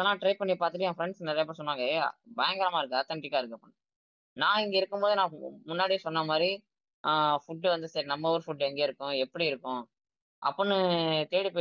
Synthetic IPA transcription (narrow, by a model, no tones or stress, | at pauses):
ɐðɐlːãːʈɾɐɪpɐɳːipaːɾt̪ɯʈːɯjãːfɾɛɳɖsnɐɾɐjɐp̬ːʈːsɔnːʋaːŋɡɐɛja̰bɐjɐŋɡɐɾɐmaːɪɾɯkːɯaːt̪ːɐɳʈɪkːaːɪɾɯkːɯɐpːɐɳ | nãːɪŋɡɐɪɾɯkːɯmboːðɯnãːmʊnːaːɽisɔnːɐmaːd̪ɾi | fʊʈːɯʋɐnd̪ɯsɐɾinɐmːɐɔɾɯfʊʈːɛŋɡeːɪɾɯkːʊ̃ɛpːɐɽiɪɾɯkːʊ̃ | ʔɐ̰pːɐnːɯt̪eːɽipːoː